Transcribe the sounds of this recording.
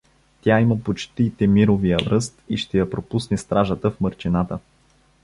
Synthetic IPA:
t̪ʲjaiməpot͡ʃt̪it̪ɛmiɾovijəvɾɤst̪iʃt̪ɛjɐpɾopusnɛst̪ɾaʒət̪əfmɤɾt͡ʃinat̪ə

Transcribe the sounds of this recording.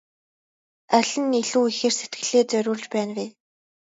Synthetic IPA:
æɮʲɘ̆niɮuːixeːrset̪ɡɘ̆ɮeːt͡sœɾʲʊːɮt͡ɕpæːnwiː

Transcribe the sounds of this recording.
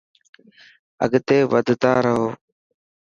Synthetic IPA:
ə̰ɡt̪eːʋəd̪ʱt̪aːɾəɦoː

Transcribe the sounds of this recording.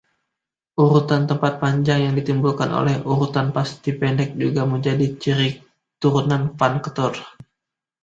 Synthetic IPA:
ʔuɾut̪ant̪əmpat̪̚paɲd͡ʒaŋjaŋdit̪imbulkanʔo̰lɛhuɾut̪anpast̪ipɛndɛk̚d͡ʒuɡaməɲd͡ʒadit͡ʃiɾi | t̪uɾunanfankə̥t̪ɔr

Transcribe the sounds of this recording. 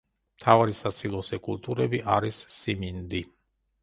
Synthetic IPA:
t̪ʰawaɾisat̪silosekult̪uɾebiʔa̰ɾisːimind̪i

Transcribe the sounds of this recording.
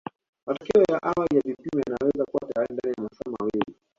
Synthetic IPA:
matɔkɛɔjaʔawalijavipimɛjanawɛzakuwatajaɾindanijamasamawili

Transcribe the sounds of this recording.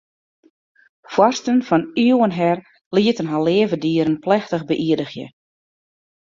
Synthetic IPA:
fwɔrstənfɔnyəwənɦɛr | liətənɦaleːəvədiəɾənplɛxtəxbəʔiədəxjə̰

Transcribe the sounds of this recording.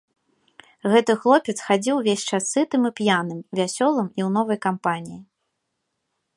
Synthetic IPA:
ɣɛt̪ɨxlˠɔpʲɛt̪sxad͡zʲiwvʲesʲt͡ʂasɨt̪ɨmɨpjanɨmvʲasʲɔlˠɨmiwnɔvɐjkampanʲiji

